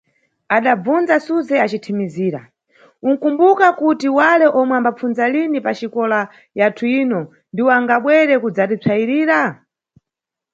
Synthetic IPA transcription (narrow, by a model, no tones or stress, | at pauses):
aɗab͡vund͡zasuzɛat͡ʃitʰimiziːɾa̰ | uŋ̩kumbukakutiwalɛʔɔmwɛambap͡funzalinipat͡ʃikɔla | jatʰuiːnɔ | ndiwɔaŋɡaɓwɛɾɛkud͡zatit͡sʰaiɾiːɾa